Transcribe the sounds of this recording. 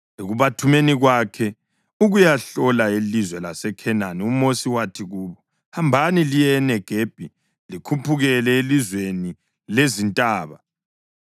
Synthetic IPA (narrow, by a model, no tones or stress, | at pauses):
iɣuβatʰumeniɣwakʰɛ | uɣujaɬɔlaelizwɛlasɛkʰɛnaniumosiwatʰiɣuːβɔ | hambʱanilijɛnɛɡ̥ʱeb̥ʱi | likʰupʰuɣɛlɛelizweni | lezintʼaːβa